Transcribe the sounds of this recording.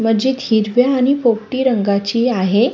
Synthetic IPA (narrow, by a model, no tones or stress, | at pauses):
məd͡ʑiːt̪hiɾʋjaːɽ̃ipokʈiːɾəŋɡat͡ɕiːaɦe